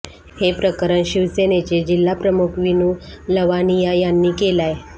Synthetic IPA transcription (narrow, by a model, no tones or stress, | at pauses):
hepɾəkəɾəɳɕiʋsenet͡ɕed͡ʑilːapɾəmukʰʋinũːləʋanijajanːiːkelaj